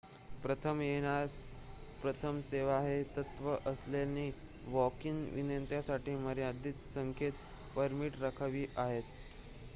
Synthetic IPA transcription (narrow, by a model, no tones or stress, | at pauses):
pɾət̪ʰəmjenas | pɾət̪ʰəmseʋaɦet̪ət̪ʋəʔəslaniː | ʋɔkiːnʋḭnənt̪jasaʈʰiːməɾjad̪iːt̪səŋkʰet̪ | pəɾmiʈɾəkʰəʋiːʔaɦet̪